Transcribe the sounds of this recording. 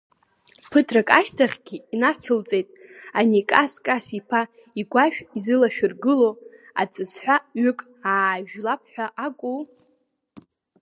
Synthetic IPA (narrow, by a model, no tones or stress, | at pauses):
pʰɨtʰrakʼaʃtʰaχʲɡʲiinat͡sʰɨlt͡sʼe̞jtʼanikʼaskʼasipʰa | iɡʷaʃᶣizɨlaʃᶣʊrɡɨlo | a̰t͡sʼɨsħʷᶣaɥʏkʼ | aːʒᶣlap̚ʰħʷᶣaʔakʷʼu